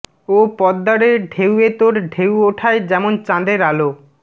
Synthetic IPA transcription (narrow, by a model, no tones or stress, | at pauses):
opɔd̪ːaɾeɾɖʱewet̪oɾɖʱewoʈʰaed͡ʑɛmont͡ɕãd̪eɾalo